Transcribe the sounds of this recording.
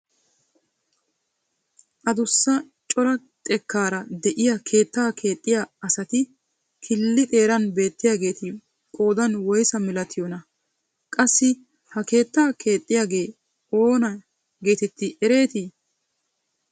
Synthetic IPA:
ʔɐd̪ʊsːɐ | t͡ʃʼɔlɐ | t̪ʼɛkːaːɾɐd̪ɛʔɪjɐkʰe̞ːt̪ːaːkʰe̞ːt̪ʼːɪjaɐsɐt̪ɪ | kʰɪlːɪt̪ʼe̞ːɾɐnbe̞ːt̪ːɪjaːɡe̞ːt̪ɪ | kʼo̞ːd̪ɐnwɔjsɐmɪlɐt̪ʰɪjɔnɐ | kʼɐsːɪ | hɐke̞ːt̪ːaːkʰe̞ːt̪ʼːɪjaːɡe̞ː | o̞ːnɐ | ɡe̞ːt̪ɛt̪ːɪʔɛɾe̞ːt̪ɪ

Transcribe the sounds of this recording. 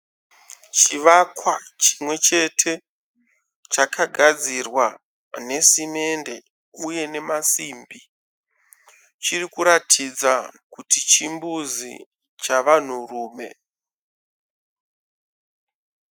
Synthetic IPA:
t͡ʃiʋakwat͡ʃi̥mwe̞t͡ʃe̞tʰe̞ | t͡ʃakʰaɡʱad͡zirwa | ne̞sime̞nde̞ | uje̞ne̞masiːmbi | t͡ʃirikuɾatʰid͡zakutit͡ʃimbuzḭ | t͡ʃaʋan̤uruːme̞̰

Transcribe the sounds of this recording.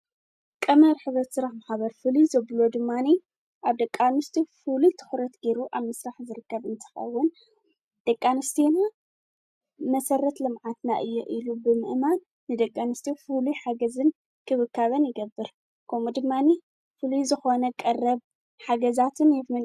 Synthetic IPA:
kʼɐmɐɾħɨβɾɐt̪sɨɾaħmaħbɐɾfɨluzɐβlod̪ɨmːani | ʔaβd̪ɐkʼːanɨst̪ʰifɨlut̪ʰɨ̥xɾɐt̪ɡeɾuʔaβmɨsɾaħzɨɾɨkːɐβɨnt̪ʰɨ̥xɐ̰wːʊn | d̪̥ɐkʼːanɨst̪ʰena | mɐsɐɾɐt̪lɨmʕat̪na̰ʔɨjːɛʔilubɨmɨ̰ʔman | nɨd̪ɐkʼːanɨst̪ʰifɨluħaɡɐzɨn | kʰɨβɨkʰːaβɐnjɪɡɐbːɨɾ | kʰɐmud̪ɨmːani | fɨluzɨxonɐkʼɐrːɐβ | ħaɡɐzat̪ʰɨnjɛfɨn

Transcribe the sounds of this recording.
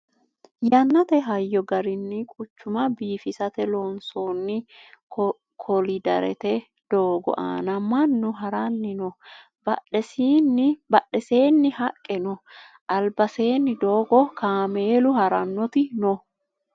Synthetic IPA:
jɐnːɐt̪ɛɦɐjːɔɡɐɾɪnːɪkʼʊt͡ʃːʊmɐbiːfɪsɐt̪ɛlɔnsoːnːɪ | kʰɔlɪd̪ɐɾɛ̰t̪ɛ | d̪̥oːɡɔ̰ʔa̰ːnɐmɐnːʊɦɐɾɐnːɪnɔ | bɐ̰ᶑɛsiːnːɪbɐɗːɛse̞ːnːɪhɐkʼːɛnɔ | ʔɐlbɐse̞ːnːɪd̪oːɡɔkaːmeːlʊhɐɾɐnːɔt̪ɪnɔ

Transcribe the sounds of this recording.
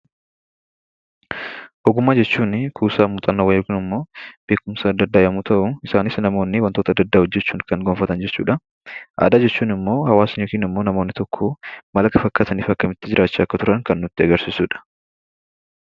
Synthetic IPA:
ʔɔɡʊmːaːd͡ʒɛt͡ʃːuːnkʰuːsaːmuːt̪ʼɐnːɐwɐjkɪnɪmːo̞ːb̥e̞ːkʊmsɐːd̪ːɐd̪ːaːjɐmut̪ʰɐʔʊɪsaːnɪsnɐmo̞ːnːɪwɐnt̪oːt̪ɐd̪ːɐd̪ːaːhɔd͡ʒːɛt͡ʃːuːnkɐŋɡɔmfɐt̪ɐnd͡ʒɛt͡ʃːṵːᶑɐ | ʔa̰ːd̪aːd͡ʒɛt͡ʃːuːnɪmːo̞ːhɐwaːsɪɲokiːnɪmːoːnɐmoːnːɪt̪ɔkʰːomɐlɐkɐfɐkːaːt̪ɐniːfɐkːɐmɪt̪ːɪd͡ʒɪɾʔaːt͡ʃːɐːkːɐt̪ʊɾɐnkɐnːʊt̪ːɪɐɡɐɾsɪsuːᶑɐ̥

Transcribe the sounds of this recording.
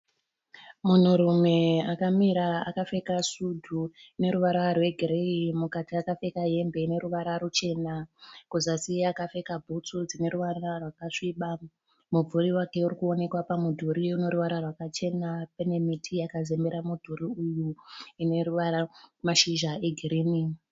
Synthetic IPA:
mun̤uɾume̞akamiɾaa̰kafe̞kasudʱuine̞ɾuʋaɾarwe̞ɡʱiɾeimukatiakafe̞kaɦe̞mbe̞ine̞ɾuʋaɾaɾut͡ʃe̞nakuzasiakafe̞kabʱut͡sud͡zine̞ɾuʋaɾarwakaʂiɓa | mub͡vʱuriwake̞urikuo̞ne̞kwapamudʱuɾiuno̞ɾuʋaɾarwakat͡ʃe̞napene̞mitʰiakazembeɾamudʱuriujuine̞ruʋaɾamaʃiʒaeɡʱiriːni

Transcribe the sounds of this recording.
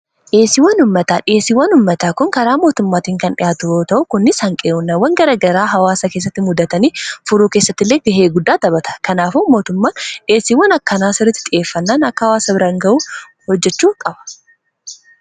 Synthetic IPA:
ᶑeːsɪwɐnʊmːɐt̪aːᶑɪeːsiwːɐnʊmːɐt̪aːkʊŋkɐɾaːmo̞ːt̪ʊmːaːt̪iːŋkɐnɗɪ̰jaːt̪ʊoːt̪ɐʔʊkʊnːɪshɐŋkʼeːʔʊnːɐwɐŋɡɐɾɐɡɐɾaːɦɐwaːsɐke̞ːs̬ːɐt̪ːɪmʊd̪ɐt̪ɐniːfʊɾuːke̞ːsːɐt̪ːɪlːeːɡ̪ɪɦeːɡʊd̪ːaːt̪ɐbɐt̪ɐ̥kɐnaːfʊmo̞ːt̪ʊmːaːnᶑɪe̞ːsiwɐnɐkːɐnaːsɪɾːɪt̪ːɪ̥t̪ʼɪʔe̞ːfːɐnːaːnɐkːɐhɐwaːsɐbɪɾaːŋɡɐʔuː | hɔd͡ʒːɛt͡ʃːuːkʼɐbɐ̥

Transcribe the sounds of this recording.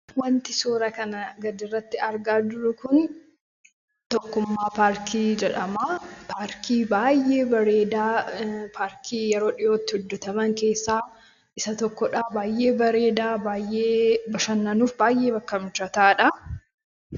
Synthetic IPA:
wɐnt̪ɪsoːɾɐkɐnɐɡɐd̪ɪrːɐt̪ːɪɐɾɡaːd̪ʊɾʊkʊn | t̪ɔkːʊmːaːpaːɾkʰiːd͡ʒɛᶑɐmaːpaːɾkʰiːbaːjːe̞ːbɐɾeːd̪aːpʰaːɾkʰiːjɛɾo̞ːᶑɪjoːt̪ːɪ̥hʊd̪ːʊt̪ɐmɐŋke̞ːsːaː | ɪsɐt̪ɔkːɔᶑaːbaːjːe̞ːbɐɾe̞ːd̪aːbaːjːe̞ːbɐʃɐnːɐnuːfbaːjʔe̞ːbɐkːɐmɪt͡ʃːɐt̪aːᶑɐ

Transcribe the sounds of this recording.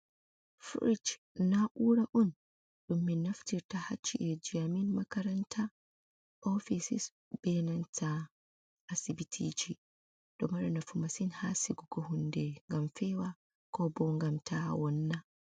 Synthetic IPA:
fɾit͡ʃ | naʔuːɾaʔun | ɗumːinaftiɾtaha̰t͡ʃːiʔɛd͡ʒiaminmakaɾantʰa | ʔɔfisis | b̥ɛnantʰa | ʔasibitʰid͡ʒi | d̥ɔmaɾnafumasinhasiɡɔɡɔɦundɛŋɡamfɛwa | kɔbɔŋɡamtʰawɔnːa

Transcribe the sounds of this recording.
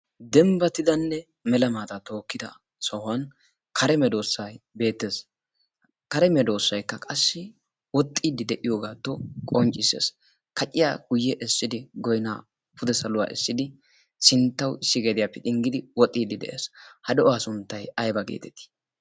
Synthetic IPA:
d̪ɛmbɐt̪ɪd̪ɐnːɛ | mɛlɐmaːt̪ɐt̪o̞ːkːɪd̪ɐ̰ | sɐhʊɐn | kʰɐɾɛmɛd̪o̞ːsːɐjbe̞ːt̪ːeːs | kɐɾɛmɛd̪o̞ːsːɐjkːɐkʼɐsːɪ | wɔt̪ʼːiːd̪ɪd̪ɛʔɪjoːɡaːt̪ːɔkʼɔnt͡ʃʼːɪsḛːs | kɐt͡ʃʼːɪja̰ːɡ̥ʊjːɛʔɛsːɪd̪ɪɡɔjna̰ː | pʊd̪ɛsɐlʊwa̰ːʔɛ̰sːɪd̪ɪ | sɪnt̪ːɐwɪsːɪɡe̞ːd̪ɪjapːɛt̪ʼɪŋɡɪd̪ɪwɔt̪ʼːiːd̪ɪd̪ɛ̰ʔḛːshɐd̪ɔʔɔaːsʊnt̪ːɐjɐjbɐɡḛːt̪ɛt̪ɪ̥

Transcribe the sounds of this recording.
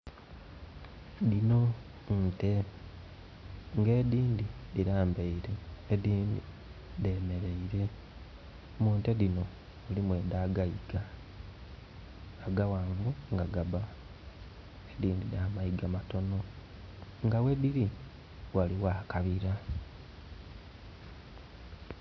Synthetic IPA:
dino̞ | te | ŋɡe̞ːdiːndidiɾaːmbe̞iɾeːdiːndi | deme̞ɾe̞iɾe̞ | muːnteðino̞ | ulimweːdaɡaiɡ̥a | ɡawaːŋɡuŋɡaɡaba | ediːndidaːmaiɡamato̞no̞ | ŋɡawe̞diɾi | waliwaːkaβiɾa

